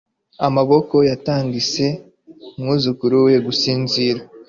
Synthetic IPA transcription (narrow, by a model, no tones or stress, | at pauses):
amaβo̞ko̞jataːŋɡise̞ | mŋuːzukuɾuwe̞ɡusiːnziɾa